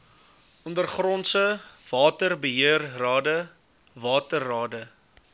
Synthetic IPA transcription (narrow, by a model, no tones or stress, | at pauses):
ɔndərχrɔntsəv̥ɑːtərbəɦiərrɑːdə | vɑːtərːɑːdə